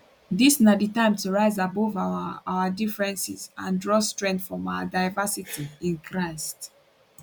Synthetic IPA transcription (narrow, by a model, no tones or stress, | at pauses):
disnaditãɪ̃mtuɹaɪzabɔvaawadifɹɛ̃nsḭzãndɹɔstɹɛ̃ntfɹɔ̃maʊadaɪvasitʰiĩnkʰɹaɪst